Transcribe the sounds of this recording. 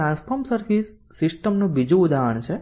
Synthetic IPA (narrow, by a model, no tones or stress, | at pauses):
ãnspʰəɾmsəɾʋisː | isʈəmnũbid͡ʒuud̪ʱaːɦəɳt͡ʃʰe